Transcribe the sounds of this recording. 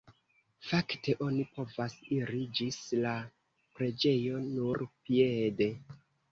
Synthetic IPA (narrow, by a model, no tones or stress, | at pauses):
faktʰe̞ʔo̞nipo̞vasiɾid͡ʒisla | pɾe̞d͡ʒe̞jo̞nuɾpijede̞